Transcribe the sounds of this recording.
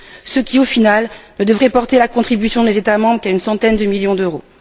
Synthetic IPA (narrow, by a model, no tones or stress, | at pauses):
səkʲiofinalnəd̪əvʁɛpɔʁt̪elakɔ̃t̪χibysjɔ̃d̪ezet̪amɑ̃bʁəkaynsɑ̃t̪ɛnd̪əmiljɔ̃d̪øʁo